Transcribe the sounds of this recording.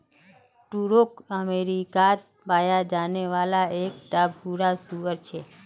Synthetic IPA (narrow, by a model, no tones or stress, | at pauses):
ʈuɾokəmeɾikat̪̚ | bajad͡ʒaneʋalaek̚ʈ̪abʱuɾasuʋəɾt͡ʃʰe